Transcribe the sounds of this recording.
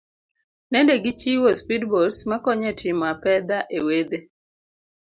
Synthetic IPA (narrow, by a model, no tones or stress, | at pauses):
nɛndɛɡɪt͡ʃiwospidbɔlsmakɔɲɛtʰɪmapɛd̪aʔewed̪e